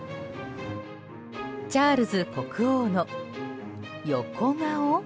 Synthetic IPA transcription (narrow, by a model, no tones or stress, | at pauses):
t͡ɕaːɾɯ̟zɨko̞kɯ̟oːno | jokʰoŋao